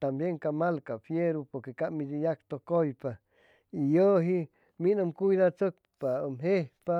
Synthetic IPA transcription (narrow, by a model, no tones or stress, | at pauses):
t̪ambjeŋkamalkafjeɾupoɾkekaʔmid̪ijak̚t̪okojpa | ijəɦi | minəmkujd̪at͡sək̚pamɦehpa